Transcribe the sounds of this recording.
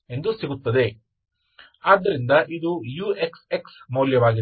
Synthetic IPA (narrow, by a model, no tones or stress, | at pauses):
e̞nd̪usiɡut̪ːɐd̪e̞ | aːd̪ːɐɾind̪ɐʔid̪ujuːʔekseksmuːljɐʋaːɡi